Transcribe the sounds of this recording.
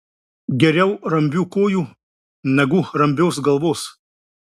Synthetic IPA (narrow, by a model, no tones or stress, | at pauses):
ɡʲɛɾʲɛʊɾɐmʲbʲuːkoːjuː | nʲɛɡuːɾɐmʲbʲoːsɡɐlˠʋoːs